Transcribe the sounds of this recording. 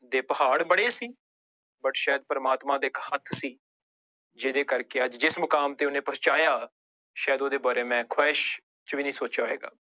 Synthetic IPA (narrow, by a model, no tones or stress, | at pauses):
d̪eːpəhaːɽbəɽeːsiː | bəʈʃaːəd̪̚pəɾəmaːt̪mãːd̪eːɪkhət̪ʰsiː | d͡ʒeːd̪eːkəɾkeːəd͡ʒd͡ʒɪsmʊkaːmt̪eːʊnẽːpəst͡ʃaːjaː | ʃaːjəd̪oːd̪eːbaːɾeːmɛ̃ːkʰʊɛːʃ | t͡ʃʋiːnəĩːsoːt͡ʃaːɦoɦeːɡa̰ː